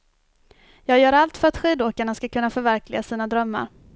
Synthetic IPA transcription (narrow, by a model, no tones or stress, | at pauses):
jɑːɡjœːɾalt̪fœɾat̪ɧiːd̪oːkaɳaskakʰɵnːafœɾvæɾklɪɡasiːnad̪ɾœmːa̰ɾ